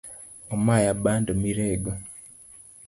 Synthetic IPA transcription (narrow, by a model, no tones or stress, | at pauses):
omajabandomiɾeɡo